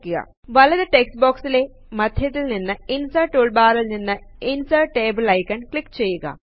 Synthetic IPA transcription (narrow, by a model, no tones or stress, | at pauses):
kːuɣɐ̰ | ʋɐlɐðɨʈeksboːksile | mɐd̪ʱjɐt̪ːilninːɨinsɐːʈuɭbaːɾɐlninːɨinsɐːʈːe̞ːbɨlɐjkːɐɳkɭikːt͡ɕe̞jːuɣɐ̰